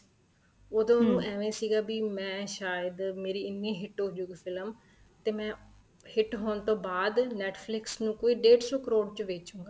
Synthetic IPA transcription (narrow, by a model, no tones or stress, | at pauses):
od̪õːnũːʔɛːʋẽːsiːɡaːbiːmɛ̃ːʃaːjəd̪meːɾiːɪnːĩːɦɪʈoːd͡ʒʊɡpʰɪləm | t̪eːmɛ̃ː | hɪʈɦoːnt̪õːbaːd̪nɛːʈʰpʰlɪksnũːkoːiːɖeːɖsoːkəɾoːɖt͡ʃəʋeːt͡ʃũːŋɡaː